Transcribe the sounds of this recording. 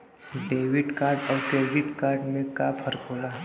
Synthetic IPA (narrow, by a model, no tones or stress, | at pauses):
ɖeʋɪʈkaːɾɖɔːɾkɾeɖɪʈkaːɾɖmẽkapʰəɾkʰoːla